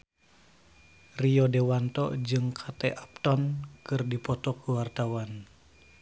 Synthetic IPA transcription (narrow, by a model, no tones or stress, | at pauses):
riɔdewant̪ɔ̰d͡ʒɨŋkʰat̪ɛʔap̚t̪ɔnkɨrdipɔt̪ɔkəwart̪awan